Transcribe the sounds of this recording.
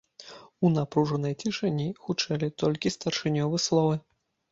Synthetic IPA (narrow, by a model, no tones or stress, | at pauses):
unapɾuʐɐnɐjt͡sʲiʂɐnʲixut͡ʂɛlʲit̪ɔlʲkʲist̪ɐrʂɨnʲɔvɨslˠɔvɨ